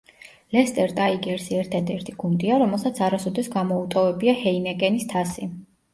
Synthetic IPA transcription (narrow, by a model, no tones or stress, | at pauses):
lɛst̪ʼɛɾt̪ʼaiɡɛɾsiɛɾt̪ʰad̪ɛɾt̪ʰiɡund̪iaɾɔmɛlˠsat̪sʰaɾasɔd̪ɛsɡamɔut̪ʼɔvɛbiahɛinɛɡʼɛnist̪ʰasi